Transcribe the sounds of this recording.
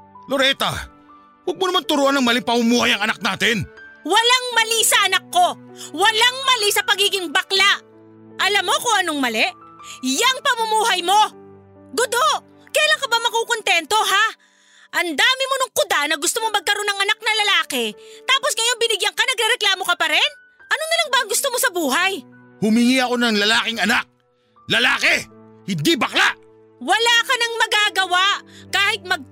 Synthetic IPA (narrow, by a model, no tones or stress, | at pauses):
loɾɛːt̪ɐ̰ | wɐɡ̚monɐmant̪ʊɾoʔanɐŋmɐlɪŋpɐmʊmuːhɐjɐŋɐnak̚naːt̪ɪnwɐlaŋmɐlisɐʔɐnɐkːo̞wɐlaŋmɐlisɐpɐɡiːɡɪŋbɐklaʔ | ʔɐlamːo̞kʊŋɐnoŋmɐlɛʔjɐŋpɐmʊmuːɦɐjmo̞ | ɡʊd̪o | kɛːlaŋkɐbamɐkukont̪ɛnt̪o̞ɦa | ʔɐnd̪aːmɪmonʊŋkʊd̪anɐɡʊst̪omoŋmɐɡ̚kɐɾo̞nːɐŋɐnak̚nɐlɐlaːkɛt̪aːposɡɐjo̞nbɪnɪɡjɐŋkɐnɐɡɾɛɾɛklaːmo̞kɐpɐɾɛn | ʔɐnonɪlaŋbɐʔɐŋɡʊst̪omosɐbuːɦɐj | hʊmɪŋiɐko̞nɐŋlɐlaːkɪŋɐnak̚ | lɐla̰ːkɛ | hɪnd̪ibɐklaʔ | wɐlakɐnɐŋmɐɡaːɡɐwaʔkaːhɪt̪̚mɐɡ̚